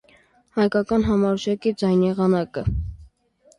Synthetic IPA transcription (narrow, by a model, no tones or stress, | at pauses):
hɑjkɑkɑnɦɑmɑɾuʒɑkid͡zɑjnjɛʁɑnɑkə